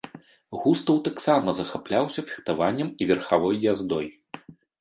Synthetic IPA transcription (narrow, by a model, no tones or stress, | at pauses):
ɣust̪ɐwt̪aksamɐzɐxaplʲawsʲɐfʲi̥xt̪avanʲːɐmivʲɛrxavɔjːazd̪ɔj